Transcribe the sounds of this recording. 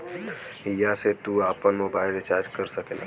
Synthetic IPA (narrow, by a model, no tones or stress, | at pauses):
ijaset̪uaːpənmobaːɪlet͡ʃaːɾd͡ʒkəɾsəkela̰